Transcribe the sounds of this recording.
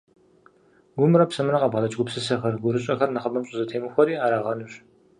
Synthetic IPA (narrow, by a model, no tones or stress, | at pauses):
ɡʷʊmɨrɐpsɐmɨrɐqʼɐbʁɐlɐt͡ʃʼɡʷʊpsɨsɐxɐrɡʷʊɾɨɕʼɐxɐrnɐχɐbɐmɕʼʊzɐtʰeːmɨxʷɔɾiːaːɾaːʁɐnuɕ